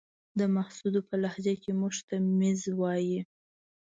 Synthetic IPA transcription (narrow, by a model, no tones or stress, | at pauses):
d̪əmahsud̪opəlahzakemuʒt̪amezwɑji